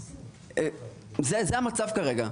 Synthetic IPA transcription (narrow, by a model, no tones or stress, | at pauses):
zezeamat͡savkaʁe̞ɡa